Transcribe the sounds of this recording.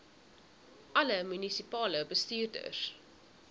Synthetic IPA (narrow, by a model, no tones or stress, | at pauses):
ʔɐləmynisipɑːləbəstyːrdə̰r